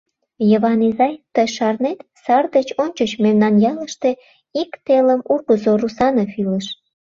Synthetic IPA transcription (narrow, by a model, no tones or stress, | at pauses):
jəβɑnizɑjt̪əjʃɑrnet̪sɑrd̪ət͡ɕonʲt͡ɕət͡ɕmemnɑnjɑləʃt̪e | ikt̪eləmurɣəzorusɑnofiləʃ